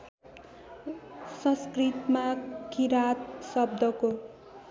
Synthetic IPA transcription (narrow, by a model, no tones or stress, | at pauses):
sʌ̃skrit̪makiɾat̪sʌb̚d̪ʱʌko